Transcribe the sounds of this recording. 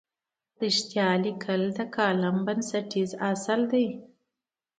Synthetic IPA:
ɾiʂt̪jɑlikʰəld̪əkʰɑlambansaʈizasəld̪aj

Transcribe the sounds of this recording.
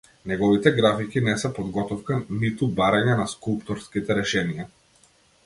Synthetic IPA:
nɛɡɔvit̪ɛɡɾafikinɛsɛpɔd̪ɡɔt̪ɔfkanit̪ubaɾaɲanaskulˠpt̪ɔɾskit̪ɛɾɛʃɛnija

